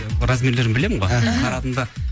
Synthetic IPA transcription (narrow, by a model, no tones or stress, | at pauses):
ɾazmʲele̞ɾɪnbɪle̞mɪɴʁɑɑɾɑt̪ənd̪ɑ